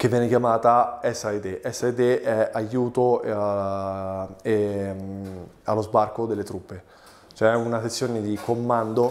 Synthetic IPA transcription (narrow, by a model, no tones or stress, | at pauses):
kevːjɛːnekjamaːt̪aɛsːaet̪eʔɛsːaet̪eʔɛajːuːt̪o | e | alːozbarkod̪elːet̪ɾupːe | t͡ʃoɛunaset̪sːjoːned̪ikomːand̪o